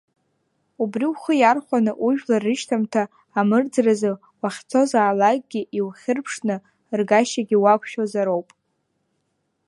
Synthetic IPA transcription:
ubriwχəjarχʷanɨʔuʒᶣlarɨʃtʰamtʰaː | mɨrd͡zrazɨ | waχʲt͡sʰo̞zaːlak̚ʼɡʲiʔiwχʲɪrpʰʂnɨ | rɡaʃaɡʲiwakʷʰʃᶣazaɾowpʼ

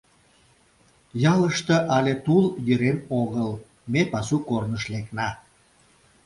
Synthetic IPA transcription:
jɑləʃt̪eʔɑlʲet̪uljəɾenoɣəl | mepɑsukornəʃleknɑ

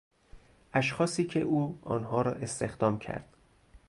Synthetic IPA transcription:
ʔæʃxɒːsiːcʰe̞̰ʔuːɒ̰ːnɦɒːɾɒːʔe̞st̪e̞xd̪ɒːmcʰæ̰ɾd̪̥

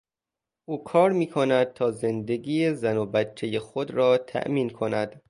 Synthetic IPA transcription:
ʔuːkʰɒːɾmiːkʰonæd̪̚t̪ʰɒːze̞nd̪e̞ɡiːjezænobæt͡ʃʰːejexod̪ɾɒːt̪ʰæ̰ʔmiːnkʰo̞næd̪̥

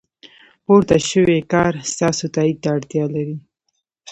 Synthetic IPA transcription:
poɾt̪aʃəwekɑɾst̪ɑsot̪ɑid̪̚t̪aːɽt̪jɑlaɾi

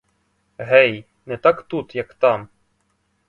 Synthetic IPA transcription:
ɦɛj | nɛt̪ɑkt̪ut̪jɐkt̪ɑm

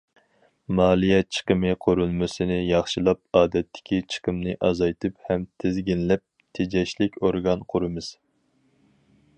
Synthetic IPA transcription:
mɑːlˠijɛt͡ʃʰə̥qəmɨqʰʊɾulˠmɨsɨnɪjɑχʃilˠɑp̚ɑːd̪ɛt̪ʰːɪ̥kʲit͡ʃʰə̥qəmnɨʔɑzɑjt̪ʰɨphɛmt̪ʰɪzɡʲinlɛp̚ | t̪ʰed͡ʒɛʃlɪkʲoɾɡɑnqʰʊɾɨmɨz̥

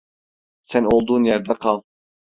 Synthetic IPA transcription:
sænolˠd̪uːnjæɾd̪æqʰɑlˠ

